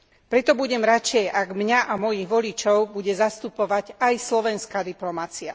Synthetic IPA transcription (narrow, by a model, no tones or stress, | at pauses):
pɾɛt̪ɔbuɟɛmɾat͡ʃɛjaɡmɲaʔamɔjiɣʋɔlit͡ʃɔʊbuɟɛzast̪upɔʋaɟajslɔʋɛnskad̪iplɔmat͡sia